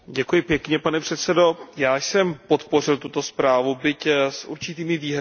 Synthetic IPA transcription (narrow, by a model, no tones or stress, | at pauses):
ɟɛkujɪpjɛkɲɛpanɛpr̝̥ɛt̪sɛdo̞jaːjsɛmpo̞t̪po̞rɪlt̪ut̪o̞spɾaːvubɪcsʔuɾt͡ʃɪt̪iːmɪviːɦ